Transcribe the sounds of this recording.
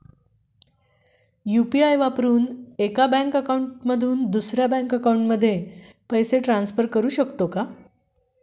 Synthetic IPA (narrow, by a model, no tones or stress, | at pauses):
jupiajʋapɾuːnekabɛ̃ŋkəkawɳʈməd̪ʱuːnd̪usɾjabɛ̃ŋkəkawɳʈməd̪ʱːjepəjseʈɾãnsfəɾkəɾuːɕəkt̪oka